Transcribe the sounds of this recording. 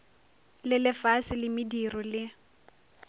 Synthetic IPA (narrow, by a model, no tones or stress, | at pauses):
lɪlɪfasɪlɪmɪdirɔlɪ